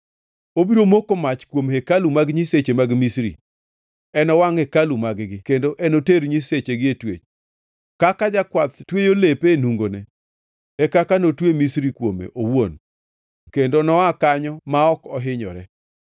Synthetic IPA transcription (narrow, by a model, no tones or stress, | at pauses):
obiɾomokomat͡ʃkwomekalumaɡɲiset͡ʃemaɡmisɾḭ | ɛnɔwaŋekalumaɡɡɪkendoʔɛnoteɾɲiset͡ʃeɡɪetwḛt͡ʃ | kakad͡ʒakwat̪twejolepenuŋɡonɛ | ɛkakanotwemisɾikwomḛʔowon | kendonɔakaɲɔmaɔkɔɦɪɲɔ̰ɾɛ